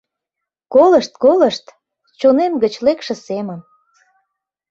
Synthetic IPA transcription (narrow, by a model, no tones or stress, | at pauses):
koləʃt̪̚koləʃt̪ | t͡ɕonemɡət͡ɕlekʃĕsemən